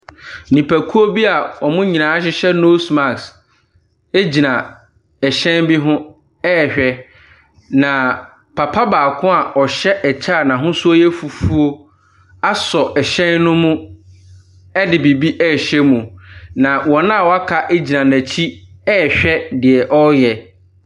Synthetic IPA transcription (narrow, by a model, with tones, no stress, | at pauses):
nĩ˨pʰæ˨kʰu˦o˦bi˦a˨ɔ˨mʊ̃˦ɲĩ˨nãː˨˦ɕ̬ɪ˦ɕɛ˦no˦sma˨ks | e˦d͡ʑi˨nã˨ | ɛ˨ɕɛ̃˦nbi˦ɦʊ̃˦ | ɛ˦˨ɕᶣɛ˦ | nã˨ | pʰa˨pʰa˦baː˨kʰʊ̃˦a˨ɔ˨ɕɛ˦ʔɛ˨t͡ɕʰaː˦˨nã˨ɦʊ̃˦sʊ˦o˦jɛ˦fu˨fu˦o˦ | a˦sɔ˨ʔɛ˨ɕɛ̃˦nːʊ̃˦mʊ̃˦ | ɛ˦dɪ˨bi˨bi˦ʔɛː˦˨ɕɛ˦mũ˨nã˨wɔ̃˨nã˦˨wɔ˨a˦kʰa˨ʔe˦d͡ʑi˨nã˨næ̃˨t͡ɕʰi˦ɛː˦˨ɕᶣɛ˦dɪ˨ɛ˨ʔɔ˦jɛ˨